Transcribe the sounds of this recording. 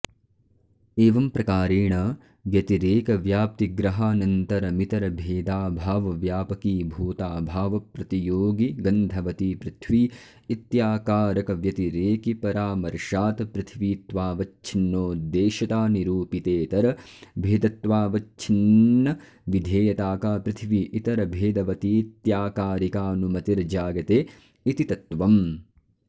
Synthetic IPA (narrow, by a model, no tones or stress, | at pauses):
eːʋɐmpɾɐkaːɾeːɳɐ | ʋjɐt̪iɾeːkɐʋjaːp̚t̪iɡɾɐɦaːnɐnt̪ɐɾɐmit̪ɐɾɐbʱeːd̪aːbʱaːʋɐʋjaːpɐkiːbʱuːt̪aːbʱaːʋɐpɾɐt̪ijoːɡiɡɐnd̪ʱɐʋɐt̪ipɾɪt̪ʰʋiː | it̪jaːkaːɾɐkɐʋjɐt̪iɾeːkipɐɾaːmɐɾʃaːt̪pɾɨt̪ʰʋiːt̪ʋaːʋɐt͡ʃt͡ʃʰinːoːd̪eːʃɐt̪aːniɾuːpit̪eːt̪ɐɾɐbʱeːd̪ɐt̪ʋaːʋɐt͡ʃʰinːɐ | ʋid̪ʱeːjɐt̪aːkaːpɾɪt̪ʰiʋiʔit̪ɐɾɐbʱeːd̪ɐʋɐt̪it̪jaːkaːɾikaːnumɐt̪iɾd͡ʒaːɡɐt̪eː | it̪it̪ɐt̪ʋɐm